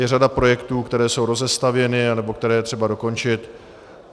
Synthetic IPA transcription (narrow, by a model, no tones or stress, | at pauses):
jɛradapɾo̞jɛkt̪uːkt̪ɛɾɛːso̞wɾo̞zɛst̪avjɛnɪanɛbo̞kt̪ɛɾɛːjɛt̪r̥ɛbado̞ko̞nt͡ʃɪt̪